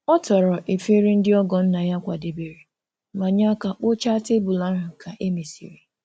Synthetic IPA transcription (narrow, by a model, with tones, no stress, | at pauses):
ɔ˦tɔ˨ɾɔ˨ʔe˨fe˦ɾe˦n̩˦dɪ˦ɔ˦ɡɔ˨n̩˦na˨ja˦kʷa˨de˨be˨ɾe˨ | ma˨ɲa˦ka˨k͡po˦t͡ʃa˦te˦bʊ˨la˦ɦʊ˨kʰa˨ʔe˦me˨sḭ˨ɾe˨